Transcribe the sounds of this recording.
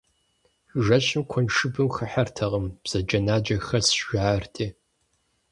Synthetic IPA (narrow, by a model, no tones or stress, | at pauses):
ʐɐɕɪmkʷʰɔnʂɨbɨmxɐħartʰɐʁəmb̥z̥ɐd͡ʒɐnaːd͡ʒɐxɐsʒʷaːrtʰʼeː